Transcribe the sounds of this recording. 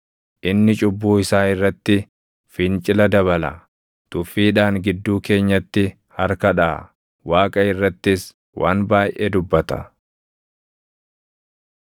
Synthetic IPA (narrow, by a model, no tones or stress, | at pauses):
ʔɪnːɪt͡ʃʼʊbːuːɪsaːɪrːɐt̪ːɪ | fɪnt͡ʃʼɪlɐd̪ɐβɐlɐ̰ | t̪ʊfːiːᶑaːŋɡɪd̪ːuːke̞ːɲːɐt̪ːɪ | hɐɾkɐᶑaː | waːkʼɐɪrːɐt̪ːɪs | wʔaːnbaːjʔeːd̪ʊbːɐt̪ɐ̰